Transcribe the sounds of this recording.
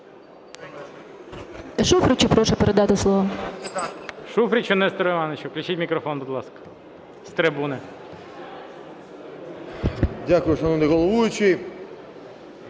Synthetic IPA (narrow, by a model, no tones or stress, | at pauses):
ʃufɾʲɪt͡ʃɪpɾɔʃʊpeɾed̪ɑt̪ɪslˠɔʋɐ | ʃufɾʲit͡ʃɔnɛst̪ɾeʋɑnɪt͡ʃɔklʲɪt͡ʃʲitʲmʲikɾɔfɔnb̪ʊd̪lˠɑskɐ̥ | st̪ɾɪbune | dʲakʊjʊʃɔnunɛɣɔlˠɔʋujʊt͡ʃɪ